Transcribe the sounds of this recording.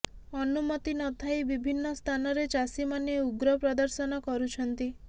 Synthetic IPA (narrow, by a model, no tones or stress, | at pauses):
ɔnumɔt̪inɔt̪ʰajbibʱinːɔst̪ʰanɔɾet͡ʃasimanjeuɡɾɔpɾɔd̪ɔɾsɔnɔkɔɾut͡ʃʰɔnt̪i